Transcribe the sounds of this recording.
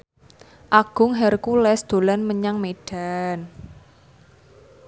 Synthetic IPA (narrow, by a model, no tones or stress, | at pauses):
ʔaɡ̥ʊ̤ŋɦɛrkulɛsd̪̥o̤lanməɲaŋmeɖ̥a̤n